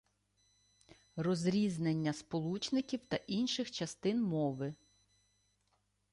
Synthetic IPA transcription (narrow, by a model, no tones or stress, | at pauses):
rɔzɾʲiznenʲːɐspɔlˠut͡ʃnɪkʲiwt̪ɐʔinʃɪxt͡ʃɐst̪ɪnmɔʋɪ